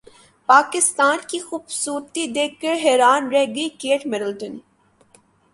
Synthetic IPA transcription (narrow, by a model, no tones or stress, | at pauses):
paːkɪst̪aːnkixuːbsuːɾt̪id̪eːkːəɾɦɛːɾaːnɾɛɦɡɐikeːʈmɛɾəlʈən